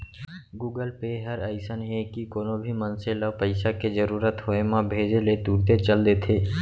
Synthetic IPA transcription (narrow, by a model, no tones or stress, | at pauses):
ɡuːɡəlpeɦəɾəɪsənɦekikoːnobʱimənseləpəɪsakezəɾuːɾət̪ɦoemãbʱeːd͡ʒelet̪uːɾt̪et͡ʃəld̪eːt̪ʰeː